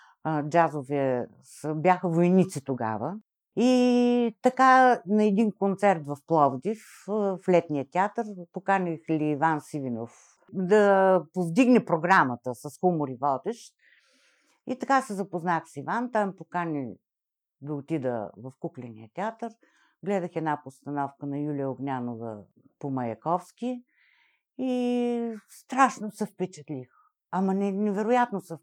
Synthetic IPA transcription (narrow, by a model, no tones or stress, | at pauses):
d͡ʒazovɛ | səbjaxəvojnit̪sit̪oɡa̰və | it̪ɐkanɐɛd̪inkont̪sɛɾt̪vɐfplˠɔvd̪if | flɛt̪nijət̪ʲɛat̪əɾpokanʲixliːvansivinof | d̪ɐpovd̪iɡnɛpɾoɡɾamət̪əsɐsxumoɾivɔd̪ɛʃt̪ | it̪ɐkasɛzɐpoznaxsivant̪ampokanʲi | d̪ɐʊt̪id̪ə̰vɐfkuklɛnḭət̪ʲɛat̪əɾ | ɡlɛd̪əxɛd̪napost̪ɐnɔfkənɐjulʲijəoɡnʲanovə̰ | pomɐjɐkɔfskʲi | i | st̪ɾaʃnosɛfpɛt͡ʃɛt̪lix | ɐmɐnɛnɛvɛɾojat̪nosɛ